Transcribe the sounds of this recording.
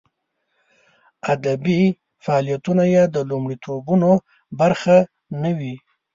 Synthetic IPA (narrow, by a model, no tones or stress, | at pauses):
ad̪abi | faɑlijat̪unajed̪əlumɽit̪ʰobuno | baɾxa | nəwi